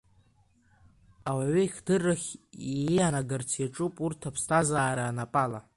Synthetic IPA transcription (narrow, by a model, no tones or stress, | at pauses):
awaɥʏiχʲdɨrːaχʲiejanaɡart͡sʰjaʈ͡ʂʼupʼurtʰapʰstʰazaːɾaːnapʼala